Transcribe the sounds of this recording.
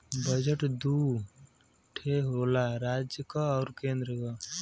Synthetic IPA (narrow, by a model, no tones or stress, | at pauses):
bəd͡ʒəʈd̪u | ʈʰeɦolaɾad͡ʒjəkaɔːɾkẽnd̪ɾəka